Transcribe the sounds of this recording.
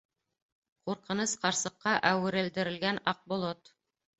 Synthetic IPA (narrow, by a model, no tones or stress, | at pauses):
quɾqɤ̆nɤsqɑɾsɤ̆qːɑʔæwɘ̆ɾɘ̆ld̪ɘ̆ɾɘ̆lɡænɑq̚bŏlˠot̪